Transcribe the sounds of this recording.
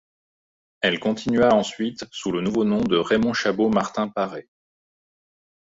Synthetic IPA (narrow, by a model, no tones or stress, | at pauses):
ɛlkɔ̃t̪ʰinɥaɑ̃sɥit̪sulənuvonɔ̃d̪əʁemɔ̃ʃabomaʁt̪ɛ̃paʁe